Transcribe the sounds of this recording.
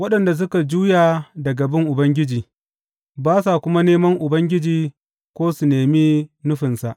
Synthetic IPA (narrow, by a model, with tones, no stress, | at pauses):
wɐ˦ɗɐ˨nda˨s̬ʊ˦ka˨d͡ʒuː˦jaː˨dɐ˨ɡɐ˨bɪ˦ŋʔʊ˨bɐ˦ŋɡʲɪ˦d͡ʒiː˨ | baː˦sa˨kʷʊ˦ma˦neː˦mɐ˦ŋʔʊ˨bɐ˦ŋɡʲɪ˦d͡ʒiː˨ | kʷoː˦su˨neː˨miː˦nʊ˦ɸɪ˨nsa˨ʔ